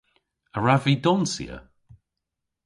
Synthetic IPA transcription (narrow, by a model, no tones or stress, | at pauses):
əɹaviːdɔnsḭə̰